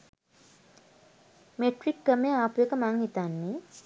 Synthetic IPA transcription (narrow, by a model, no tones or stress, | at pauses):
meʈrikːəmeaːpujəkəmaŋhit̪anːe